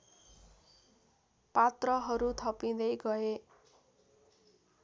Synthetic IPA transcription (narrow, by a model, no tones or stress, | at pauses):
pat̪rʌɦʌɾut̪ʰʌpĩd̪ʌjɡʌe